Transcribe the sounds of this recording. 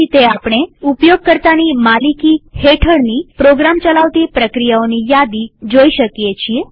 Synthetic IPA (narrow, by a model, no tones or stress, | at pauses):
it̪eapɽ̃eupjoɡ̚kəɾt̪animalikiheʈʰəɽnipɾoɡɾamt͡ʃəlaʋt̪ipɾəkɾijaonijad̪id͡ʒoiʃəkjet͡ʃʰie